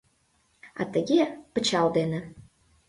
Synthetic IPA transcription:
ɑ̰t̪əɣepət͡ɕɑld̪enĕ

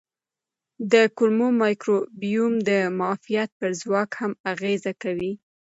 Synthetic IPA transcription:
d̪əkʊlmomɑjkɾobijumd̪əmɑfijat̪̚pəɾzwɑkhamaɣezakawi

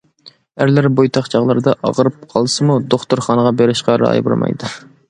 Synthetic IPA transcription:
æɾlæɾbojt̪ʰɑχt͡ʃʰɑʁlˠɨɾɨd̪ɑʔɑ̰ʁəɾɨp̚qʰɑlˠɨsɨmud̪oχt̪uɾχɑnəʁɑbeɾɪʃqɑɾɑ̰j̰bṵɾmɑ̰jd̪ɨ

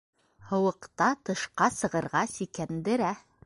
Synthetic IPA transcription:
hɤ̆wɤ̆qt̪ɑt̪ɤ̆ʃqɑsɤ̆ʁɤ̆ɾʁɑsikænd̪ɘ̆ɾæ

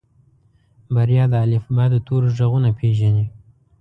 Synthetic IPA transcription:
baɾjɑd̪əalɪfbɑd̪ət̪ʰoɾʒaɣunapʰeʒani

